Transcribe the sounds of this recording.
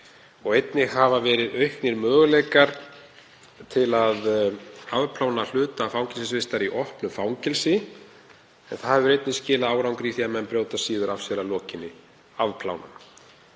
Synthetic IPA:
ɔɣejt̪nɪɦavavɛːɾɪðœɥhknɪɾmœːɣleːjkaɾ̥ | t̪ʰɪlaðaðpʰlawnal̥ʏːt̪afawŋcɪlsɪsvɪst̪aɾiʔɔhpnʏfaːwŋcɪlsɪ | ɛnθahɛvʏɾejt̪nɪscɪːlaaːwɾawŋkɾiθiamɛnpɾjoːwt̪asiːðʏɾafsjɛɾalɔːcɪnːɪ | aðpʰla̰ːwna̰m

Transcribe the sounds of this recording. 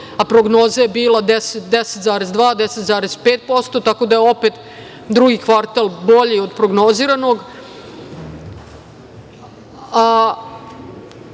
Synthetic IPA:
apɾoɡno̞ːzajebiːlˠad̪eset̪d̪eset̪zaːɾezd̪ʋaːd̪eset̪zaːɾezpeːt̪̚po̞st̪o̞t̪ako̞d̪ajeo̞pet̪ | d̪ɾuɡikʋaɾt̪alˠbo̞ʎiod̪pɾoɡno̞ziːɾano̞ɡ | a

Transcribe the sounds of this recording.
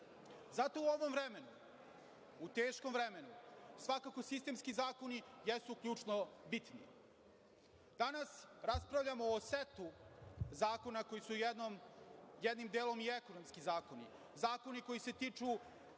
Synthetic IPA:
zat̪o̞uo̞ʋo̞mvɾeme̞nu | ut̪eːʃko̞mvɾeme̞nusʋakako̞sist̪eːmskizaːko̞nijesukʎʲuːt͡ʂnobit̪nḭ | d̪̥anasɾaspɾavʎamoːset̪uzaːko̞nako̞jisuomjed̪nimd̪eːlˠo̞mieko̞nomskizaːko̞nḭ | zaːko̞niko̞jise̞t̪iːt͡ʂu

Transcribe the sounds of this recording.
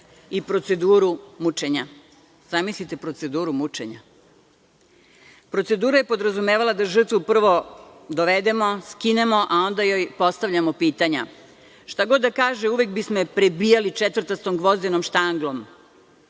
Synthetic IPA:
ipɾo̞t̪se̞d̪uːɾumut͡ʃe̞ɲa | z̥amislit̪e̞pɾo̞t̪se̞d̪uːɾumut͡ʂḛɲa̰ | pɾo̞t̪se̞d̪uːɾaje̞po̞d̪ɾazume̞ːʋalˠad̪aʒr̩t̪ʋupr̩ʋo̞d̪oʋed̪e̞mo̞skine̞mo̞ʔao̞nd̪ajo̞jpo̞st̪aʋʎʲamo̞piːt̪aɲa̰ | ʃt̪aɡo̞d̪ːakaːʒeuʋe̞kbismo̞pɾe̞bijalit͡ʃet̪ʋr̩t̪ast̪o̞mɡʋo̞zd̪eno̞mʃt̪aŋɡlˠo̞m

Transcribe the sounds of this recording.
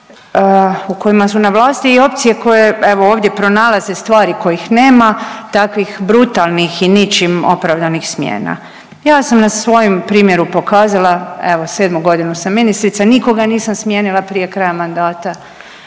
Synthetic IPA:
uko̞jimasunaʋlˠaːst̪iio̞p̚t̪sije̞ko̞je̞e̞ʋo̞oːʋd̪je̞pɾo̞nalaze̞st̪ʋaːɾiko̞jixne̞ːmat̪akʋixbɾut̪alˠnixinit͡ʃimo̞̰pɾaʋd̪anixsmjḛːna̰ | jaːsamnasʋo̞jompɾiːmje̞ɾupo̞kaːzalˠae̞ʋo̞se̞ːd̪muɡo̞d̪inusamːinist̪ɾit̪saniko̞ɡaniːsamsmje̞nilˠapɾije̞kɾajamand̪aːt̪a

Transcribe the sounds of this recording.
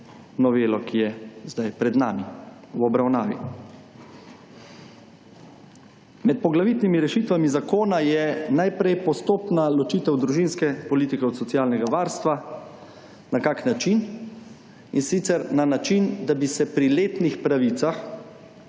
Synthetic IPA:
nɔʋeːlɔkʰijɛzd̪ajpɾɛd̪naːmi | wɔbɾawnaːʋḭ | mɛt̪̚pɔɡlaʋiːt̪nimiɾɛʃiːt̪ʋamizakoːnajɛnajpɾɛjpɔst̪oːpnalɔt͡ʃiːt̪ɛwd̪ɾuʒinskɛpɔliːt̪ikɛɔt̪sɔt̪sijaːlnɛɡaʋaːɾst̪ʋa | nakaknat͡ʃin | insit̪sɛɾnanat͡ʃind̪abisɛpɾileːt̪nixpɾaʋiːt̪sax

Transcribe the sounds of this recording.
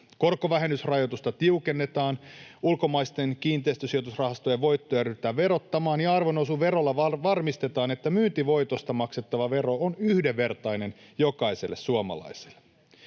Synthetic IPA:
ko̞rkːoʋæɦenːysrɑjo̞t̪ust̪ɑt̪iuke̞nːe̞t̪ɑːnulko̞mɑjst̪e̞nkiːnt̪eist̪øsijo̞t̪usrɑhɑst̪ojeʋo̞jt̪ːo̞jɑɾyt̪ːæːʋe̞ɾo̞t̪ːɑmɑːnjɑɑrʋonosuʋe̞ɾo̞lːɑʋɑʋɑrmist̪e̞t̪ɑːne̞t̪ːæmyːnt̪iʋo̞jt̪o̞st̪ɑmɑkset̪ːɑʋɑʋe̞ro̞onyhdeʋːe̞rt̪ɑjne̞njo̞kɑise̞lːessuɑmɑ̰lɑ̰jse̥lːe̥

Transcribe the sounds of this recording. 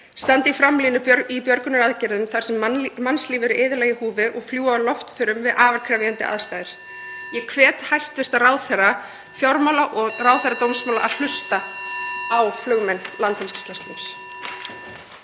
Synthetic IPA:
st̪ant̪ɪifɾamliːnʏipjœɾkʏnaɾaðcɛɾðʏmθaɾ̥sɛmmansliːvɪɾʔɪːðɪɾlɛːɣɪhuːvɪʔɔɣfljuːalɔft̪fɪɾʏmvɪðʔaːvaɾkʰɾavjant̪ɪ̰ʔa̰ðst̪aːjðɪɾ̥ | jɛkʰvɛːt̪hajst̪vɪr̥t̪araːwθɛrːa | fjɔɾmaːlaʔɔɣraːwθɛɾrat̪owmsmaːwla̰ʔaðl̥ʏst̪a | awflʏɣmɛnlant̪hɪlt̪sk̪last̪ɪɾ̥

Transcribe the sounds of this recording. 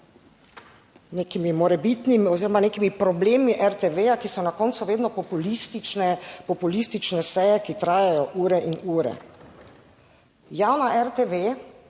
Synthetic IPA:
neːkimimɔɾɛbit̪nimiɔziːɾɔmaneːkimipɾɔbleːmiʔɛɾt̪eʋeːjakisɔnakɔːnsuʋeːd̪nɔppulist̪ɛpɔpulist̪it͡ʃnɛsɛjɛkit̪ɾaːjajɔʔuːɾɛʔinuːɾɛ̰ | jaːwnaʔɛɾt̪eʋe

